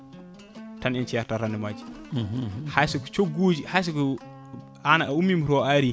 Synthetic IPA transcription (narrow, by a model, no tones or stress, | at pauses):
tanint͡ʃijaɾtaɾanːimad͡ʒi̥ | hajsukut͡ʃoɡud͡ʒihas̬uku | anaʔaumimuɾoaɾi